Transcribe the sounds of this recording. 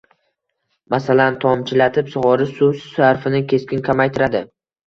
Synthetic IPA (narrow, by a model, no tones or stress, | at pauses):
masalant̪ʰɒmt͡ʃʰɪlat̪ʰɪpsʊʁɒɾɪsusɪaɾfɪnɪkʲʰe̞skʲɪnkʲʰamajt̪ʰɪɾad̪ɪ